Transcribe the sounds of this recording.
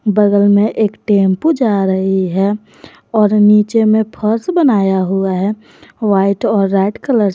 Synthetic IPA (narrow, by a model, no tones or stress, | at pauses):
bəɡəlmẽʔeːkʈeːmpud͡ʒaɾəɦiɦɛ | ɔːɾniːt͡ʃemẽpʰəɾsbənaːjaɦuaɦɛ | ʋaːɪʈɔːɾːɛːɖkələɾ